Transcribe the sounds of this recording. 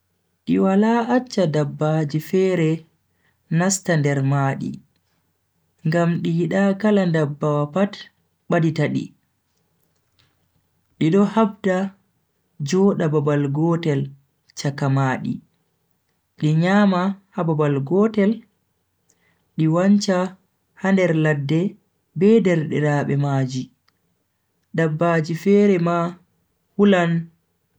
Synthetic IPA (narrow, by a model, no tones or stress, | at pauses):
ɗiwalaat͡ʃːadabːad͡ʒifɛːɾɛ | nastandɛɾmaːɗḭ | ŋɡamɗijiɗakalandabːawapat | ɓaditaɗḭ | ɗiɗɔhabda | d͡ʒɔɗababalɡɔtɛl | t͡ʃakamaːɗḭ | ɗiɲaːmahababalɡɔːtɛl | ɗiwaɲt͡ʃa | handɛɾladːɛ | bɛdɛɾɗɛɾaːɓɛmaːd͡ʒi | ɗabːad͡ʒifɛːɾɛma | hulan